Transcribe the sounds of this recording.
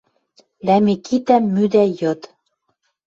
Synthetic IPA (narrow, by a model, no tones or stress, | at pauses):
læmekit̪æmːyd̪æjɤ̆t̪